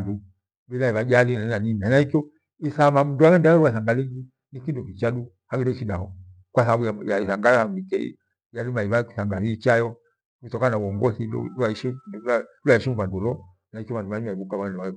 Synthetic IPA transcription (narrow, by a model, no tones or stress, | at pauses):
ndu | ɓilaiβad͡ʒalinainaninanaikiɔ | iθamam̩nduaɣɛndajɔɾuasaŋɡaliŋɡi | nikindɔkit͡ʃaɗu | haɡidɛʃidahɔ | kwasaaɓujajaiθaŋɡajhamikɛḭ | jalimaiβaki̥θaŋɡaliit͡ʃajɔ | kutɔkanauɔŋɡɔsilṵlaiʃiluaiʃimvandulɔ | naikɔβanduanimaiβukaβaɣɛndɛa